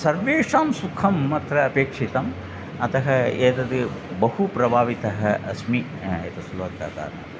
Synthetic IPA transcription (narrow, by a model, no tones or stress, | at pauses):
sɐɾʋeːʂaːmsukʰɐmːɐt̪ɾɐɐpeːkʂit̪ɐm | ɐt̪ɐɦɐeːt̪ɐd̪ɨbɐhupɾɐbʱaːʋit̪ɐɦɐɐsmi | aːjɐt̪ɐsulʋɐk̪ːa̰ːt̪a̰ːɾɐ̰